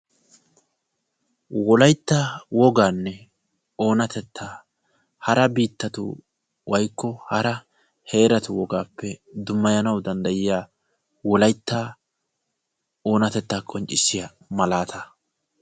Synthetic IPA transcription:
wɔlɐjt̪ːaːwɔɡaːnːɛ | o̞ːnɐt̪ɛt̪ʰːaː | hɐɾɐbiːt̪ːɐt̪ʊ̰ | wɐjkːɔhɐɾɐ | he̞ːɾɐt̪ʊwɔɡaːpːɛd̪ʊmːɐjɐnɐwd̪ɐnd̪ɐjɪjaː | wɔlɐjt̪ːaː | o̞ːnɐt̪ɛt̪ːaːkʼɔnt͡ʃʼːɪsːɪjɐ | mɐlaːt̪ʰɐ

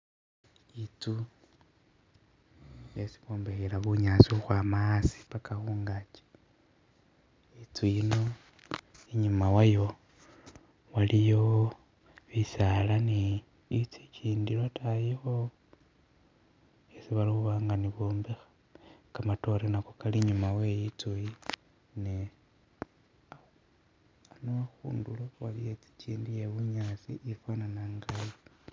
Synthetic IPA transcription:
it͡su | jesi̥βoːmbexelaβuɲasiuxwaːmaːsi̥pakaxuːŋɡat͡ʃe̥ | it͡sujino̞ | iɲumawajo̞ | walijo̞ | βisalaniː | t͡sicʰiːndilatʰajexo | esiβaliuβaːŋɡaniβoːmbexḁ | kamato̞renakokaliɲumawe̞jit͡suji | ne | a | anoaxṵːndulowalijet͡si̥ciːndije̞βuɲat͡siʔːfananaŋɡajo

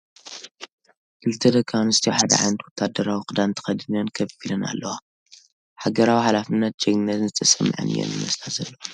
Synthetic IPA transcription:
kʰɨlt̪ʰɐd̪ɐkʰːawnɨst̪ʰijoħad̪ɐ̰ʕa̰jnt̪ʰwɔt̪ʰːad̪ːɐɾawikʼɨd̪ant̪ʰɐ̥xɐd̪ɨnonkʰɐfilɐna̰lːɐwa | ħaɡɐɾawiħalafɨnːɐt̪̚d͡ʒɛɡnːɐt̪nzɨt̪ʰɐsɐmːʕɨ̰nɨ̰jo̰njɨ̰mɐslazɐlːɐwo

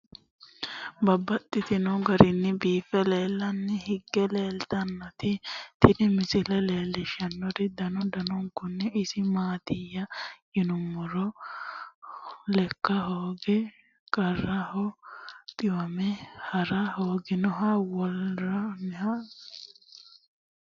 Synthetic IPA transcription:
bɐbːɐt̪ʼːɪt̪ɪnɔɡɐɾɪnːɪbiːfɛle̞ːlːɐnːɛhɪɡːɛle̞ːlt̪ɐnːɔt̪ɪt̪ʰɪd̪ɪmɪsɪlɛleːlːɪʃɐnːɔɾɪd̪ɐnɔd̪ɐnɔŋkːʊnːɛɪsɪmaːt̪ɪjːɐjɪnʊmːɔɾɔ | lɛkːɐɦoːɡɛ | kʼɐrːɐhɔt̪ʼɪwɐmɛhɐɾɐhoːɡɪnɔɦɐwɔlːɐnhɐ

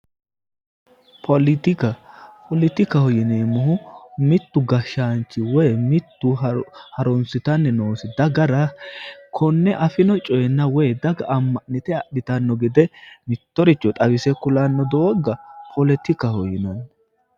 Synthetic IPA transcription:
pʰɔlɪt̪ɪkɐpʰɔlɪt̪ɪkɐhɔjɪneːmːɔɦʊmɪt̪ːʊɡɐʃːaːnt͡ʃːɪwɔjmɪt̪ːʊhɐɾɔnsɪt̪ɐnːɛnoːsɪd̪ɐɡɐɾɐkʰɔnːɛʔɐfɪnɔt͡ʃʼɔjɛnːɐwɔjd̪ɐɡɐʔɐmːɐʔnɪt̪ɛɐɗɪt̪ɐnːɔɡɪd̪ɛmɪt̪ːɔɾɪt͡ʃːɔt̪ʼɐbɪsɛkʊlɐnːɔd̪ɔɔɡɐpʰɔlɛt̪ɪkɐhɔjɪnɐn

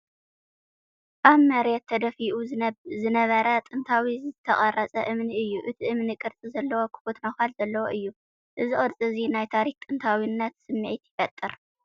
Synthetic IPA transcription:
ʔaβmɐɾjɛt̪ʰːɐd̪ɐfiʔuzɨnɐβɐɾɐt̪ʼɨnt̪ʰawizɨt̪ʰɐχʼɐrɐt͡sʼɐʔɨmniɨjːuʔɨt̪ʰiʔɨmnɨkʼɨɾt͡sʼizɐlːɐwo̞kʰɨ̥fot̪noxalzɐlːɐwoʔɨjːu | ʔɨziχʼɨɾt͡sʼɨzinajt̪ʰaɾikt̪ʼɨnt̪ʰawinːɐt̪sɨmːɨʕit̪jɪfɐt̪ʼːɨɾ

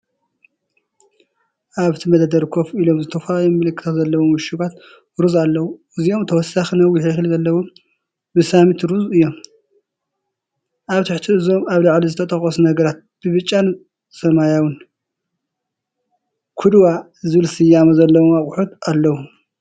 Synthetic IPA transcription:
ʔaβt̪ʰimɐd̪ad̪ɐɾkʰofilo̞mzɨt̪ʰɐfalalomːɨlɨkʰːɨ̥xzɐlːɐwomɨʃuɡat̪ | ɾuzalːɐwu | ɨziʔo̞mt̪ʰɐwɔsːaxinɐwɪħixɨlzɐlːɐwom | bɨsamit̪ɾuzɨjːo̞m | ʔaβt̪ʰɨħt̪ʰiɨzo̞maβlaʕlizɨt̪ʰɐt̪ʼɐxʼɐsunɐɡɐɾat̪̚b̥ɨβɨt͡ʃʼːan | sɐmajawɨn | kʰud̪wa | zɨβɨlsɨjamɐzɐlːɐwomaχʼʊħut̪alːɐwu

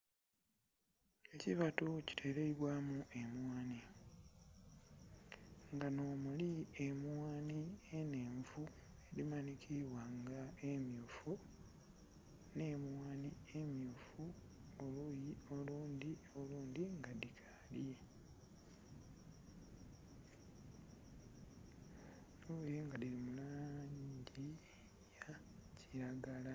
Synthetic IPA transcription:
e̞ciβatoci̥tʰe̞ɾeiβwaːmuʔe̞mwaːni | ŋɡano̞ːmuliemwaːnieneːɱvu | e̞dimanikʰiβwaŋɡaemjuːfu | ne̞mwaːniemjuːfu | olujio̞luːnd̪io̞luːnd̪iŋɡadikʰa | lje | nujeŋɡadiɾimulaɲɟi | ja | cʰiɾaɡala

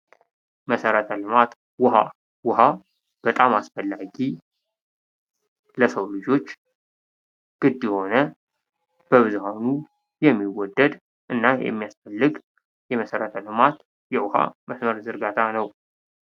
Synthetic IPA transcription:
məsəɾət̪ʰəlɨmat̪ | wʊha̰ | wʊɦa | b̥ət̪ʼamasfəlːaɡi | ləsəwlɨd͡ʒo̞t͡ʃː | ɡ̥ɨd̪ːjho̞nə | b̥əβɨzuhanu | jɛmːiwɔd̪ːəd̪ | ʔɨnːajɛ̰mːijasfəlːɨɡ | jɛməsəɾət̪ʰəlɨmat̪ | jɛwʊha̰məsməɾzɨɾɡat̪ʰanəw

